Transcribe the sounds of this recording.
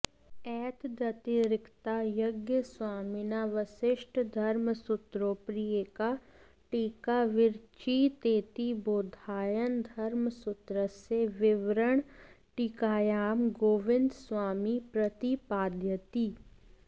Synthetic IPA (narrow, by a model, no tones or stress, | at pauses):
ɛːt̪d̪ɐt̪iɾɪkt̪ajəɡjəswaːminaʋəsɪʃʈd̪ʱɐɾməsʊt̪ɾoːpɾijeːka | ʈiːkaʋɪɾt͡ʃit̪eːt̪iboːd̪ʱaːjənd̪ʱɐɾmsʊt̪ɾəseʋɪʋɾəɳ̃ | ʈikaːjaːmɡoːʋɪ̃nd̪swaːmipɾət̪ipaːd̪ʱjət̪iː